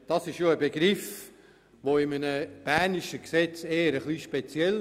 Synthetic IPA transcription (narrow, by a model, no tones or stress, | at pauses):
d̥ɑsɪʃjoəbeɡɾɪf | ʋoɪmənəb̥ænɪʃəksɛt͡seːəɾəχliʃpet͡sjɛl